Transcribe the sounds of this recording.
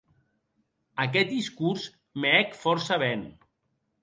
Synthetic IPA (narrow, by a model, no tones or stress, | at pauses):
akɛt̪̚d̪iskuɾs | meɛkfɔɾsaβɛn